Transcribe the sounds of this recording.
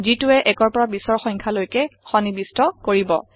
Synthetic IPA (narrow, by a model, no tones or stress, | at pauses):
zitʊɛʔɛkɔɹpɔɹabisɔɹxɔ̃ŋkʰalojkɛxɔnibistɔkoɹibɔ̰